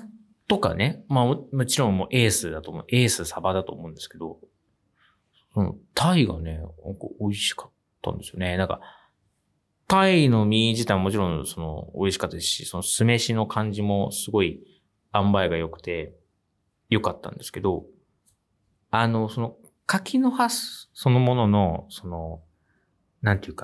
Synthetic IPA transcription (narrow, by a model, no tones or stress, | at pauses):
t̪o̞ka̰nemamomo̞t͡ɕiɾõ̞mmo̰ːʔe̞ːsɨd̪at̪o̞ːmo̰e̞ːsɨsabad̪at̪o̞ːmõnd̪e̞sɨ̥ke̞d̪o̞ | sono̰t̪ʰaiɡa̰ne̞oko̰oiɕi̥kḁt̪ːã̰nd̪e̞sɨjo̞̰ne̞nãŋka̰ | t̪aino̞mʲiʑit̪aiβamo̞t͡ɕiɾõ̞so̞no̰oiɕi̥kat̪ːad̪esɕiso̞nosɨme̞ɕino̞kʰãɲ̟d͡ʑimo̞sɨɡo̞i | ãmbaiɡajo̞kɯ̟̥t̪e̞ | jo̞kat̪ːã̰nd̪e̞sɨ̥ke̞d̪o̞ | ano̞so̞no | kakʲʰinohasɨ̥so̞no̞mo̞no̞no̞so̞no̞ | nãnt̪eɯkḁ